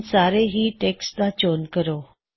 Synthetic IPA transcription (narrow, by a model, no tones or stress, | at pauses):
saɾeɦiːʈekslat͡ɕonkəɾo